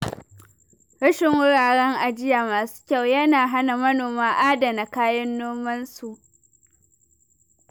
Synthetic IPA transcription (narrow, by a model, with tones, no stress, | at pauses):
ɽɐ˦ʃɪ˨ŋwʊ˦ɽaː˨ɽɛ˦ŋʔa˨d͡ʒɪ˦ja˨maː˨su̥ː˦kʲa˦˨wjɐ˦naː˨ɦa˦na˨mɐ˦noː˨maː˦ʔaː˦da˨na˨kaː˦jɐ˦nːoː˦mɐ˦nsu˨ʔ